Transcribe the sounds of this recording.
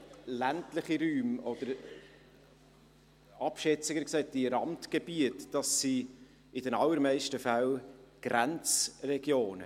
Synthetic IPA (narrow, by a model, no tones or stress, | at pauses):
læntləχiɾyːmɔd̥̪əɾ | ɑpʃɛt͡sɪɡəɾksɛɪt̚d̥iɾɑmtɡ̥ebiətːɑsːi | ɪd̥ɛnɑlːəɾmɛɪʃtəfælɡ̥ɾænt͡srɛɡ̥joːnə̰